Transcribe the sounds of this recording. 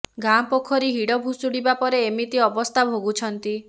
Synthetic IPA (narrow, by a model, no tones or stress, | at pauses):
ɡampokʰːɔɾiɦiɽɔbʱusuɽibapɔɾeːmit̪iɔbɔst̪ʰabʱoɡut͡ʃʰɔnt̪i